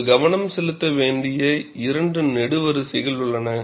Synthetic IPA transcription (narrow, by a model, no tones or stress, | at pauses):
ɡɐʋɐnɐmsɛlɯt̪ːɐʋeːɳɖɪjɐɪɾɐɳɖɯnɛɽɯʋɐɾɯsɛɣɐlʊɭːɐnɐ